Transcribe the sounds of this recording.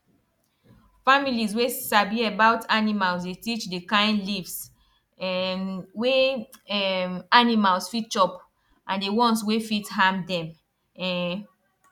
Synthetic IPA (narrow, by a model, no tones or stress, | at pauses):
familizwesabiebaʊtʰanimalsdetit͡ʃdekãɪ̃nlifs | we | animalsfit͡ʃɔp | ʔãndewɔ̃nswefithãmdɛ̃m